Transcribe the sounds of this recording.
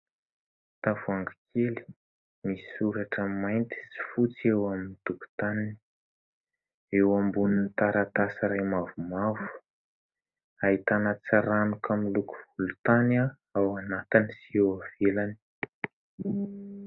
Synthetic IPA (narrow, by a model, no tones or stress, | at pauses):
t̪avuaŋɡakʰeli̥ | misi̥suɾaʈ͡ʂəmajnt̪i̥si̥fut͡sewaminit̪uku̥t̪anini̥ | ewambuninit̪aɾat̪asiɾajmavumavu̥ | aɦit̪anət͡saɾanukʰamiluku̥ulut̪ana | awanat̪inisiewavelani̥